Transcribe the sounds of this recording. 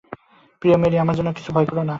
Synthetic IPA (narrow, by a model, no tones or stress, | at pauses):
pɾijomeɾiamaɾd͡ʑɔnːoki̥t͡ɕʰubʱɔjkɔɾona